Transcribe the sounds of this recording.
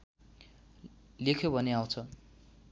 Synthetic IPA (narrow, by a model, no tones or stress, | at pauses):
lekʰjobʱʌneaw̃t͡sʰʌ